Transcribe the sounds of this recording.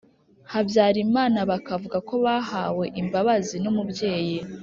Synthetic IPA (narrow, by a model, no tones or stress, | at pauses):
habjaːɾimaːnaβakavuɡako̞βaɦawe̞ʔimbaβazinumubje̞ːji